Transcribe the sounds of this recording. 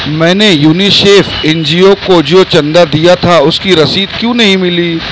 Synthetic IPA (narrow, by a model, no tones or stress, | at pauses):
mɛ̃ːnejuːniʃeːfɛnd͡ʒiokod͡ʒjot͡ʃɐ̃nd̪ad̪ijat̪ʰaʊskiɾɐsiːd̪kjũːnɐɦĩmɪliː